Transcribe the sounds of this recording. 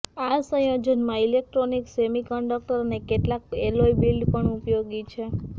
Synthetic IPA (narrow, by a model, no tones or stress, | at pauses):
asə̃jod͡ʒənmãilek̚ʈɾoniksemikəɳɖək̚ʈəɾnekeʈlakeloibilɖpəɳupjoɡit͡ʃʰe